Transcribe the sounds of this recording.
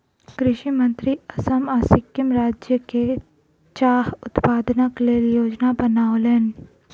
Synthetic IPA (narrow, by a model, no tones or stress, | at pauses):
kɾɪʃimə̃nt̪ɾiɐsəmaːsɪkjəmɾaːd͡ʒjəke | t͡ʃaːɦʊt̪paːd̪nakleːljoːd͡ʒnabənaːoleːn